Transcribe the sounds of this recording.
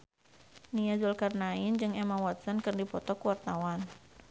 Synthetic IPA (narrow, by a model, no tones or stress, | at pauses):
niazulkarnaind͡ʒɨŋɛmawat̪̚sɔnkɨrdipɔt̪ɔkuwart̪awan